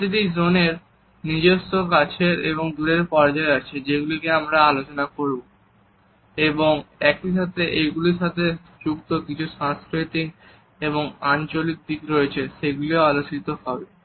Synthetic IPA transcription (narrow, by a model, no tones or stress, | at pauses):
t̪id̪izoneɾ | nid͡ʑost̪okat͡ɕʰeɾeβoŋd̪uɾeɾpɔɾd͡ʑaeat͡ɕʰid͡ʑeɡulikeamɾaalot͡ɕonakoɾu | eboŋɛk̚iʃat̪ʰeʔejɡuliʃat̪ʰe | d͡ʑukt̪okit͡ɕʰuʃãskɾeʈiŋ | eβoŋant͡ɕolik̚d̪ikɾoet͡ɕʰeʃeɡuloalot͡ɕit̪oɦɔbe